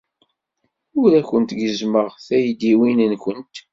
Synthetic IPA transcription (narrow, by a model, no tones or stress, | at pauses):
ʊɾækʷənt̪ɡəzməʁθæjd̪iwinənkənt̪